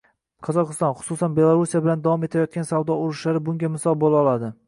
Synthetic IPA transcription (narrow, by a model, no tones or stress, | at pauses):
qʰɒzɒqɨst̪ɒnχʊ̥susanbe̞lˠaɾusijabɪland̪avɒme̞t̪ʰajɒt̪̚kʲansavd̪ɒʊɾɪʃlaɾɪbʊŋɡʲamɪsɒlˠbolˠɒlˠad̪ɪ